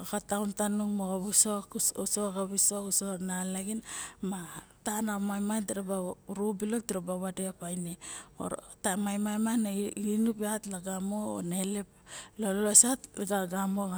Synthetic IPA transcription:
akatawntanuŋmoɡabusoosoaɡaβisokusonalaɡinma | tanamajmantiɾabaɾobilok̚tiɾabaβadeapajneo̰ɾ | tamajmajmanainupeatlaɡamo̰neleplollosatɡaɡamoɡa

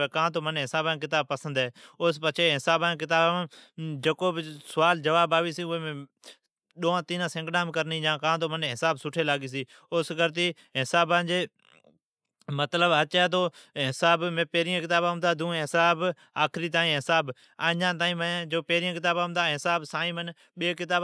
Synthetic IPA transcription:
eːkãːt̪oːməneːɦɪsaːbãːk̬ɪt̪aːb̚pəsənd̪ɦɛːʊspət͡ʃʰeːɦɪsaːbãːk̬ɪt̪aːbãːd͡ʒəkoːbsʊʋaːld͡ʒəʋaːbaːʋiːsiːʊẽːmẽ | ɗoːãːt̪iːnãːsɪ̃ŋɡɗãːmːkəɾnĩːd͡ʒãːkãːt̪̬oːməneːɦɪsaːbsʊʈʰeːlaːɡiːs̬iː | ʊsɡəɾt̪̬iː | ɦɪsaːbãːd͡ʒeː | mət̪ləbɦət͡ʃɛːt̪̬oːɦɪsaːbmẽːpeːɾɪjãːkɪt̪aːbãːɦʊ̃nd̪aːd̪ũːɦɪsaːb | aːkʰɾiːt̪aːĩːɦɪsaːb | aːɲãːt̪̬aːĩːmə̃d͡ʒoːpeːɾɪjãːk̬ɪt̪aːbãːʊ̃nd̪aːɦɪsaːbsaːĩːmən | ɓeːkɪt̪aːb

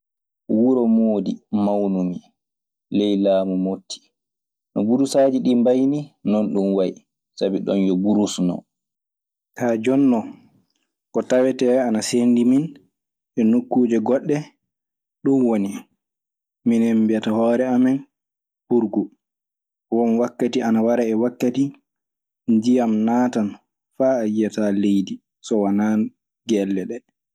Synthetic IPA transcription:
wuɾɔmoːdimawnumi | lɛjlaːmumotʰːi̥ | nɔbuɾusaːd͡ʒiɗimbajninɔnɗunwaji | sabiɗɔnjɔbuɾusnɔ̰ | tʰad͡ʒɔnːɔ | kɔtawɛtɛanasendimin | ɛnukːuːd͡ʒɛɡɔɗːɛ | ɗunwoni | minhembiatahɔːɾɛamɛn | puɾɡu | wɔnwakːatianawaɾaɛwakːati | nd͡ʒijamnaːtan | faːjːatalejdi | sɔwanan | ɡɛlːɛɗɛ

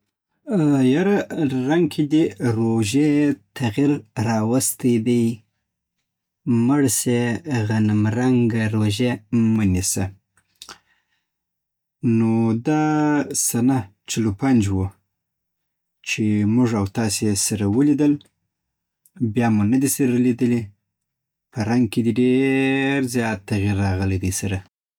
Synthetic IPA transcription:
jaɾaɾaŋɡkʰid̪eɾoʒet̪ʰaɣiɾɾɑwast̪əd̪aj | məɽseɣanamɾaŋɡaɾoʒemənisa | nod̪asanat͡ʃɪlopand͡ʒwu | t͡ʃemʊʐawt̪ɑsesaɾawəlid̪əl | bjɑmunad̪isaɾalid̪əle | pəɾaŋɡ̚ked̪eɖeɾzjɑt̪ːaɣiɾːɑɣəled̪əjsaɾa

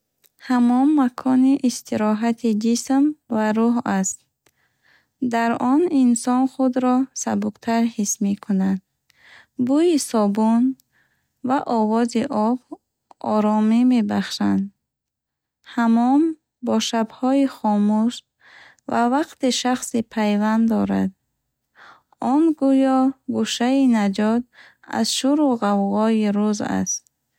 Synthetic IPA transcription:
hamɔmːakʰɔniʔist̪ʰiɾɔɦat̪ʰid͡ʒismvaɾuɦast̪̚ | d̪aɾɔninsɔnχud̪ɾɔsabuqt̪ʰaɾhismikʰunad̪̚ | buisɔbun | vaʔɔvɔziʔɔb | ʔɔɾɔmime̞baχʃand̪ | hamɔm | bɔʃabhɔiχɔmuʃ | vavaqt̪iʃaχsipʰajvand̪d̪ɔɾa̰d̪̚ | ɔnɡujɔɡuʃainad͡ʒɔt̪ | a̰zʃuɾuʁavʁɔiɾuza̰st̪̚

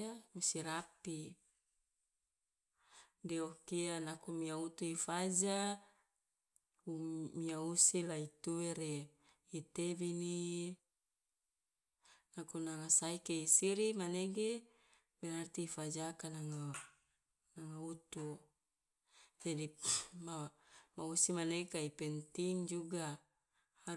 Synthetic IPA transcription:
amisiɾapi | deokianakumiaut̪uifad͡ʒa | umiausilait̪uweɾe | it̪ebini | lakunaŋasaikeisiɾimaneɡe | bɛnart̪iːfad͡ʒakanaŋa | naŋaut̪u | d͡ʒadimamausimanekaipɛnt̪iŋd͡ʒuɡa | ha

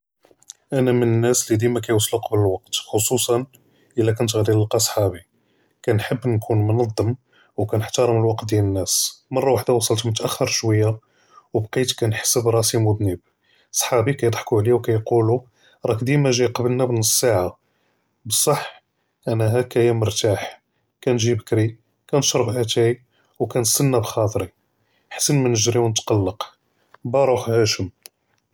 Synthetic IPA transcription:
ʔænæmənənːæslid̪imækæjwɑsˤluqɑbləlwɑq̚t̪xosˤusˤɑn | ʔəlːækʊnt̪ɣliləlqɑsˤħɑbi | kænħəbːnkʰunmʊnɑd̪ˤːəm | wkænəħt̪ɑɾˤəməlwɑqt̪̚d̪jælənːæsmɑrˤːɑwaħd̪awɑsˤəlt̪mʊt̪ʔæxːəɾˤʃwəjːa | wbqit̪kænħsəbɾˤɑsimʊd̪nəb̚ | sˤħɑbikæjəd̪ˤħkuʕliwkæjqulu | ɾˤɑkd̪imæʒijqɑbəlnæbənssːaʕa | bəsˤːɑħ | ʔænæɦækæjæmʊɾt̪aħ | kænʒibəkɾi | kænʃɾˤəbʔæt̪æj | wkænəsənːæbxɑt̪ˤɾi | ħsənmænəʒɾiwnət̪qɑlːəq | bæɾˤuħhæʃəm

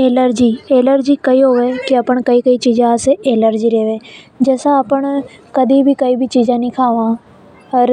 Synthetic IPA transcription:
eːləɾd͡ʒiːeːləɾd͡ʒikɐiɦoʋekiɐpəɳ̃kɐikɐit͡ʃiːzãseeːləɾd͡ʒiɾeːʋẽː | d͡ʒɛːsãəpəɽ̃ | kɐd̪ʱibʱikɐibʱit͡ʃiːd͡ʒãnĩkʰaːʋãː | ɔɾ

